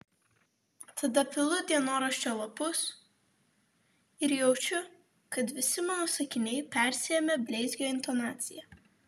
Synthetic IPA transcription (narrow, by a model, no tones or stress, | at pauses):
t̪ɐd̪ɐpʲɪlˠʊd̪ʲiɛnoːɾɐʃʲt͡ʃʲoːlˠɐpʊs | ɪɾjɛʊt͡ʃʲʊ | kɐt̪ʋʲɪsʲɪmɐnoːsɐkʲɪnʲɛɪpʲæˑɾʲsʲɪjɛmʲɛbʲlʲɛɪzʲɡʲoːɪnt̪ɔnɑːt̪sʲɪjɛ